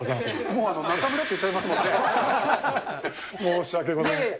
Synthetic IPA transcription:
ozajmasemoːano̞nakamɯ̟ɾot̪ːoit͡ɕːabeimasɨmõne | moːɕiakeɡozaajms

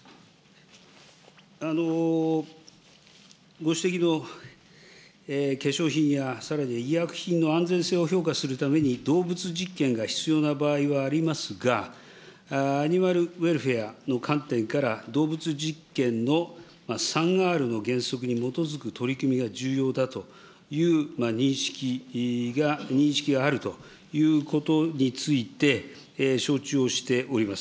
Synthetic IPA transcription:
ano̞ | ɡo̞ɕɨ̥t̪e̞kʲino̞ | eke̞ɕo̞ːçĩɰ̃jasaɾaɲ̟iiakɯ̟̥çĩnːo̞ãnd͡zẽ̞ɰ̃se̞ːo̞ço̞ːkasɨɾɯ̟t̪ame̞ɲ̟id̪o̞ːbɯ̟t͡sɨʑikːẽ̞ŋɡaçi̥t͡sɨjo̞ːnabaːiβaːɾʲimasɨɡa | ɲ̟imaɾɯ̟βe̞ɾɯ̟ɸe̞ano̞kʰãnt̪ẽ̞ŋkaɾad̪o̞ːbɯt͡sɨʑikːẽ̞nno̞ | masãŋaːɾɯ̟no̞ɡẽ̞ɰ̃so̞kɯ̟ɲ̟imo̞t̪o̞zɨkɯ̟t̪o̞ɾʲikɯ̟mʲiɡad͡ʑɨːjo̞ːd̪at̪o̞ | jɯ̟ːmaɲĩɰ̃ɕi̥kʲiɡaɲĩɰ̃ɕi̥kʲiɡaːɾɯ̟t̪o̞ | jɯ̟ːko̞t̪o̞ɲ̟it͡sɨit̪e̞ | ɕo̞ːt͡ɕɨoɕi̥t̪e̞ʔo̞ɾʲimasɨ̥

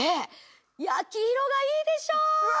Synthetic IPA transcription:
e | jakʲiçiɾo̞ɡaiːd̪e̞ɕoːj

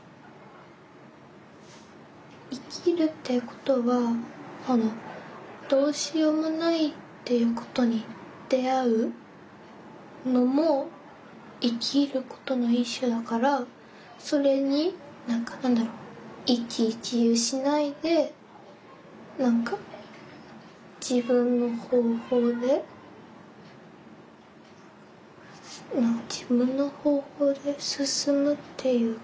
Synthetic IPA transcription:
ikʲʰiɾɯ̟t̪ːe̞ko̞̥t̪o̞βamono̞d̪̥o̞ːɕijomonait̪ːe̞jɯ̟ːko̞̥t̪o̞ɲ̟i | d̪̥e̞aɯ̟ | no̞mo̞ | ikʲʰiɾɯ̟ko̞̥t̪o̞no̞ĩɕːo̞d̪akaɾa | so̞ɾe̞ɲ̟i | nãŋkanãnd̪aɾoikʲikʲiɯɕinaid̪e̞ | nãŋka | d͡ʑ̥ibɯ̃nːo̞ho̞ːho̞ːd̪e̞ | nãŋkad͡ʑibɯ̟̃nːo̞ho̞ːho̞ːd̪e̞sɨsɨmɯ̟t̪ʰːe̞jɯ̟ː

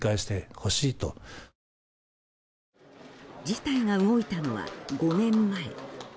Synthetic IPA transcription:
kaiɕi̥t̪e̞ho̞ɕiːt̪o̰ | d͡ʑit̪aiŋaɯ̟ɡo̞it̪ano̞βa̰ɡo̞nẽ̞mːaḛ

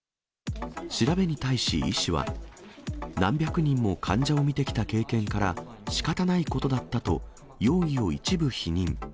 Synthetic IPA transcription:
ɕiɾabe̞ɲ̟it̪aiɕḭiɕiβa̰ | nãmbʲjakɯ̟ɲ̟ĩmːo̞kʰãɲ̟d͡ʑao̞mʲit̪e̞kʲi̥t̪ake̞ːkẽ̞ŋkaɾa | ɕi̥kat̪anaiko̞t̪o̞d̪at̪ːat̪o̞ | jo̞ːio̞it͡ɕibɯ̟çiɲ̟ĩŋ

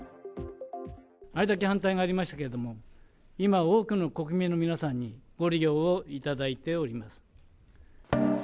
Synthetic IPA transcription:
aid̪akehãnt̪aiŋaːɾʲimaɕi̥t̪ḁkeɾed̪o̞mo̞ | imaoːkɯ̟no̞ko̞kɯ̟mʲino̞mʲinasãɲ̟ːiɡ̥o̞ɾʲiɡʲo̞ːoit̪ad̪ait̪e̞oɾʲimasɨ̥

